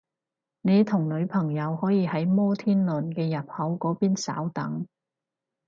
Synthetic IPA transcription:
ne˨˧jt̪ʰʊ˨˩ŋlɵ˨˧ɥpʰɐ˨˩ŋjɐ˨˧whɔː˨˥jiː˨˧hɐ˨˥jmɔː˥t̪ʰiː˥nlɵ˨˩nkɛː˧jɐ˨p̚hɐ˨˥wkɔː˨˥piː˥nsa̰ː˨˥wt̪ɐ˨˥ŋ

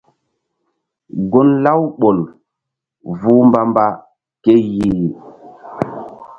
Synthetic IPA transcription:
ɡo˦nla˦wɓo˨l | vu˦mba˦mba˦ | ke˦ji˦˨

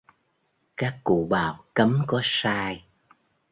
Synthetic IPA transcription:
kaː˦˥kːṵ˧˨ɓa̰ː˧˨˩wkə˨˦mkɔ˨˦saː˧j

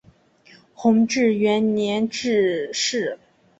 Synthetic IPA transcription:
xʊ˧˥ŋʈ͡ʂɻ̩˥˩ɥɛ˧˥nnjɛ˧˥nʈ͡ʂɻ̩˥˧ʂɻ̩˥˩

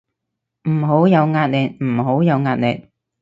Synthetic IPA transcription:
m̩˨˩ɦo˨˥wjɐ˨˧wŋaː˧t̚lɛː˨t̚m̩˨˩ɦo˨˥wjɐ˨˧wŋaː˧t̚le˨t̚

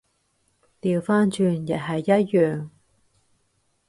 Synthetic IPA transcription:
t̪iː˨wfaː˥nt͡ʃyː˧njɐ˨t̚ɦɐ˨jːɐ˥t̚jœː˨˩ŋ

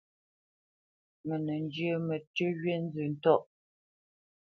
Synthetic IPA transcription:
mə˨nə˨n˦d͡ʒə˦mə˨tʉ˦ɣɥe˦n̩˦zə˨n̩˦tɔ˦˨ʔ

